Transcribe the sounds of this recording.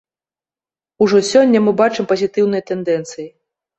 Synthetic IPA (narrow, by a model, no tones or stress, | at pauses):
uʐɔsʲɔnʲːɐmɨbat͡ʂɨmpɐzʲit̪ɨwn̪ɨjɐt̪ɛnd̪ɛnt̪sɨji